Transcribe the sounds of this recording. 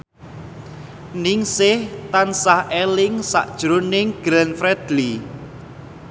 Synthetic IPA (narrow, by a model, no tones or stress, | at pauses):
nɪŋsɪht̪ansahelɪŋsa̰ʔd̥ʒ̥ɾonɪŋɡ̥ɾɛnfɾɛd̪̥li